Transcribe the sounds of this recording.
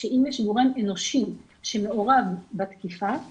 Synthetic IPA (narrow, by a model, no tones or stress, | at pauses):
ʃeʔimjeʃɡoʁemeno̞ʃim | ʃe̞me̞o̞ʁavbat̪kifa